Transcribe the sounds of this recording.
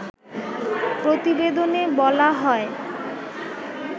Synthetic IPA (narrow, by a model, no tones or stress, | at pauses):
pɾot̪ibed̪onebɔlaɦɔe